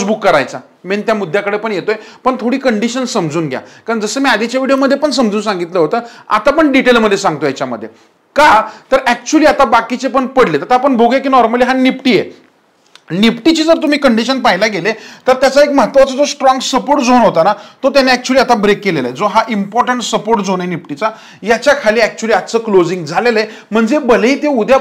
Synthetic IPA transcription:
sbukːəɾa̰jt͡sa | ment̪jamud̪ʱːjakəɽepəɳjet̪ojepəɳt̪ʰoɽiːkəɳɖiɕənsəmd͡zuːnɡʱja̰kaɾəɳd͡zəsəːmiːad̪it͡ɕaʋiɽioməd̪ʱːjepəɳs̬əmd͡zuːnsãŋɡit̪ləɦot̪əa̰t̪apəɳɖiʈelməd̪ʱːjesãŋɡ̚t̪ojat͡ɕjamə̰d̪ʱːje | kat̪əɾæk̚t͡ɕuəliːat̪abakit͡sepəɳpəɽlet̪at̪apəɳbʱoɡek̬iːnɔɾməliːɦanipʈiːje | nipʈit͡ɕiːd͡zəɾt̪um̤iːkəɳɖiɕənpaɦjlaɡelet̪əɾt̪jat͡saekməɦat̪ʋat͡səd͡zosʈɾɔ̃ŋɡsəpoɾʈd͡zonɦot̪anat̪ot̪janeɛk̚t͡ɕuəliat̪abɾekːeleləed͡zoɦaʔimpɔɾʈəɳʈsəpoɾʈd͡zonɦenipʈit͡sa | jat͡ɕjakʰaliːæk̚t͡ɕuəliad̪t͡səːklod͡zĩŋɡd͡zʱaleləem̤əɳd͡zebəleiːt̪eud̪ʱja

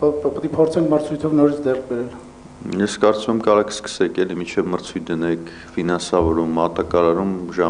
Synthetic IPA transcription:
ppət̪ipʰɔɾt͡sʰɛŋkʰməɾt͡sʰujt̪ʰɔvnɔɾit͡sʰd͡z̪ɛrk̚ʰbɛɾɛl | jɛskɑɾt͡sumɛmkɑɾɑkʰə̥skə̥sɛkʰɛlimint͡ʃʰɛvməɾt͡sʰujt̪̚ʰd̪ənɛkʰ | finɑnsɑvɔɾumːɑt̪ɑkɑɾɑɾumʒɑ

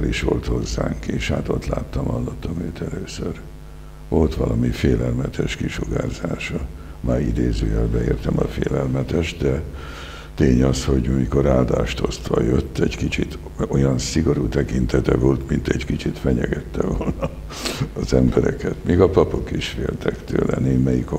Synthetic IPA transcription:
ɾiʃʋolt̪ho̞zːaːŋkeːʃhaːt̪o̞t̪la̰ːt̪ːɒmhɒlːot̪ːɒmøːt̪ʰɛløːsør | o̞lt̪ʋɒlɒmifeːlɛlmɛt̪ʰɛʃkiʃoɡaːzaːʃɒ | maːɾid̪eːzøːjɛlbɛeːrt̪ɛmɒfeːlɛlmɛt̪ɛʒd̪ɛ | t̪eːɲɒsho̞ɟumijko̞ɾaːld̪aːʃt̪o̞st̪ʋɒ̰jøt̪ːɛɟkit͡ʃit̪ | o̞jɒnsiɡo̞ɾuːt̪ɛkint̪ɛt̪ɛvoːlt̪mint̪ɛɟkit͡ʃit̪fɛɲɛɡɛt̪ːɛvolnɒː | zɛmbɛɾɛ̰kɛt̪miːɡɒpɒpo̞kiʃfeːlt̪ʰɛkt̪ø̰ːlɛneːmːɛjiko

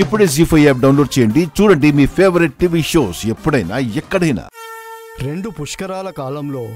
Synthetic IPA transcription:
ipːuɽeːsiːpʰɐjaːp̚ɖɐwnloːɖt͡ʃɛːjɐɳɖit͡ʃuːɽɐɳɖimiːpʰeːʋɐɾiʈ̚ʈiʋiːʃo̞ːsepːuɽɐjna̰ːɛkːɐɽɐjna̰ː | ɾe̞ɳɖupuʂkɐɾaːlɐkaːlɐmlo̞ː

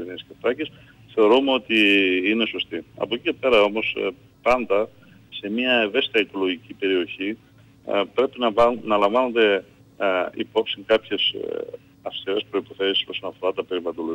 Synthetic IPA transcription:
enisceft̪ɐcis | θe̞o̞ɾume̞o̞t̪iine̞so̞st̪iɐ̰pocice̞pe̞ɾɐo̞mo̞s | pɐnd̪ɐ | se̞miɐeve̞si̥t̪ɐiko̞lo̞ʝicipe̞ɾio̞çi | pɾe̞pinɐnɐlɐɱvɐnond̪e̞ | ḭpo̞psiŋkɐpçe̞s | ɐfst̪iɾe̞spɾo̞ipo̞θe̞si̥soso̞nɐfo̞ɾɐt̪ɐpe̞ɾivɐlo̞lo

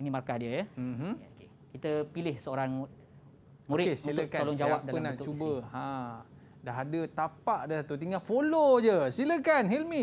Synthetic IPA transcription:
nimarkadiəjəm̩ɦ̩oke | kit̪əpilɪhsəoɾaŋ | muɾɪtuk̪olɔŋd͡ʒawap̚daənãt̪ʊt͡ʃubəã | daɦadət̪apaʔdəsat̪ut̪iŋafolod͡ʒəsiləkanhilmi

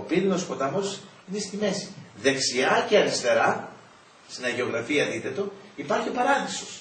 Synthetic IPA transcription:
opininospo̞t̪ɐmo̞s | inest̪ime̞si̥ðe̞ksiɐce̞ɐnist̪e̞ɾɐ | st̪inɐʝeo̞ɣɾɐfiɐðit̪e̞t̪o̞ipɐɾçiopɐɾɐθi̥sos

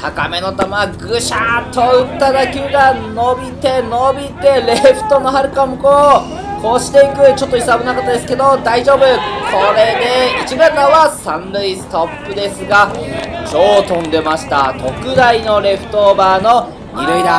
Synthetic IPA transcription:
hakame̞no̞t̪amaɡɯ̟ɕat̪ʰo̞ɯ̟t̪ːad̪akʲiɯɡano̞bʲit̪e̞no̞bʲit̪e̞ɾe̞ɸɯ̟̥t̪o̞no̞ɦaɾɯ̟kamɯko | koːɕi̥t̪ẽŋkɯ̟t͡ɕo̞t̪ːoisabɯ̟nakot̪ːod̪e̞sɨ̥ke̞d̪o̞d̪aiʑo̞ːbɯ̟ko̞ɾe̞d̪e̞it͡ɕibẽnɡ̪aβasãnɾɯisɨ̥t̪o̞pːɯ̟d̪e̞sɨɡat͡ɕoːt̪õ̞nd̪e̞maɕi̥t̪a̰t̪ʰo̞kɯ̟d̪aino̞ɾe̞ɸɯ̥t̪o̞baːno̞ | iɾɯid̪a

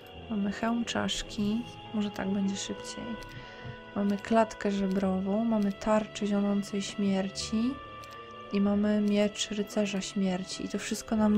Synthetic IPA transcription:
mamɘxɛwmt͡ʂa̰ʂkʲi | mɔʐɛt̪a̰ɡbɛɲd͡ʑɛʂɘpt͡ɕej | mamɘklat̪kɛʐɛbɾɔvɔ̃w̃mamɘt̪aɾt͡ʂɛʑɔnɔnt̪sɛjɕmʲjɛɾt͡ɕi | imamɘmʲjɛt͡ʂɾɘt̪sɛʐaɕmʲjɛɾt͡ɕiːt̪ɔfʂɘst̪̚kɔnam

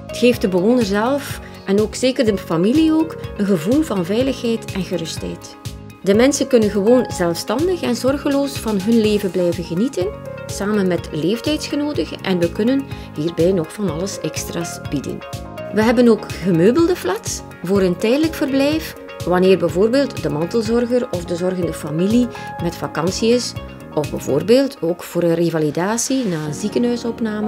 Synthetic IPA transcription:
ətxeːfdəbəʋoːnərzɛlˠf | ʔɛnoːkseːkərdəfɑmilioːkənɣəvulˠvɑnvɛjləxɦɛjtɛnɣərɵstɦɛ̰jt | dəmɛnsənkɵnənɣəʋoːnzɛlˠfstɑndəxɛnzɔrɣəloːsfɑnɦɵnleːvənblɛjvənɣənitənsaːmənmɛtleːftɛjtsxənoːdəxəʔɛ̰nʋəkɵnən | ɦiːrbɛjnɔxfɑnɑləsɛkstraːsb̥idə̰n | ʋəɦɛbənoːkɣəmøːbəlˠdəflats | voːɾəntɛjdələkfərblɛjf | ʋɑneːrbɛvoːrbeːlˠtdəmɑntəlˠzɔrɣərɔvdəzɔrɣəndəfamilimɛtfɑkɑnsiɪs | ɔvbɛ̰vo̰ːrbeːlˠtʰoːkfoːɾənrevalidaːsinaːənzikənɦœɥsɔpnaːmə

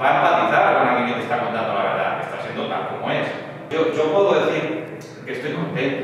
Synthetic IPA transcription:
βanβat̪iθaɾaβanakeet̪e̞st̪akont̪and̪olaβeɾða̰kest̪asjend̪ot̪a̰lkomoes | oʝopweðoðeθiɾ | keest̪oesupe

